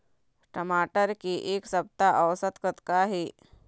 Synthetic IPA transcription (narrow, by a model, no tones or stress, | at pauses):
ʈəmaʈəɾkiʔeksəb̚t̪aʔəʋsət̪kət̪kaɦi